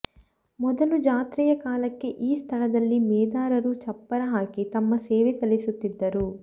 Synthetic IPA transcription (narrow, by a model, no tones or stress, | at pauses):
mɔd̪ɐlud͡ʒaːt̪ɾiːjɐkaːlɐkːe̞ʔiːst̪ʰɐɭɐd̪ɐlːimɛːd̪aːɾɐɾut͡ʃɐpːɐɾɐɦaːkit̪ɐmːɐseːʋit̪ɐlisut̪ːid̪ːɐɾu